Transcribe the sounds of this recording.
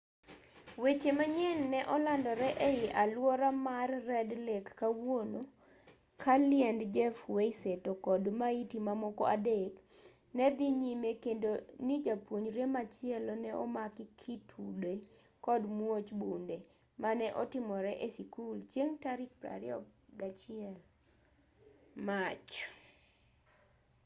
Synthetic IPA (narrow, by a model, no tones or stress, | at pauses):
wet͡ʃemaɲɛnːɛʔɔlandɔɾɛʔeɪʔalwɔɾamarːɛdlekːawono | kʰalɪɛndd͡ʒɛfweisetokɔdmaitimamɔkɔʔadek | nɛbiɲimekendonid͡ʒapwoɲɾemat͡ʃɪɛlɔnɛʔɔ̰makikʰitʰude | kɔdmuot͡ʃbunde | manɛʔɔtɪmɔɾɛʔesikult͡ʃjeŋtaɾik̚pɾa̰ɾɪɔɡat͡ʃɪɛl | mat͡ʃ